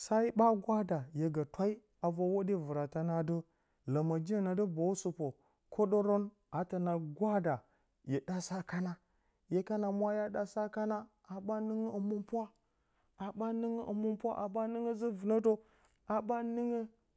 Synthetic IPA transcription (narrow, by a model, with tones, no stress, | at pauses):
sa˦i˦ɓa˦ɡʷa˦da˨je˨ɡa˨twa˦i˦ | a˨va˦wo˦di˦və˨ɾa˨ta˦na˦də˦ | la˨ma˨d͡ʒi˦˨na˨də˦bo˨u˦su˨po˨ | kʰo˦ɗo˦ɾo˦n | a˨ta˨na˨ɡʷa˦da˨ | je˨da˦sa˦ka˦na˦ | je˦ka˦na˨mʷ˦a˦ja˦ɗa˦sa˦ka˦na˦ | a˨ba˦nə˦ŋə˦ə˨mu˦mpu˦a˦ | a˨ba˦nə˦ŋə˦ʔə˨mu˦mpu˦a˦ʔa˨ɓa˦nə˦ŋə˦zə˦və˨na˦to˦ | a˨ɓa˦ni˦ŋə˦